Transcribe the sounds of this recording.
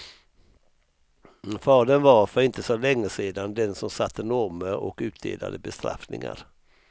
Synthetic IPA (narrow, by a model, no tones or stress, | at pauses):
fɑːd̪ənvaɾfœɾɪnt̪əsɔlɛŋːəseːd̪and̪ɛnsɔmsat̪ːənɔɾməʔɔkʉ̟ːt̪̚d̪ḛːla̰d̪əbɛst̪ɾa̰fnɪ̰ŋa̰ɾ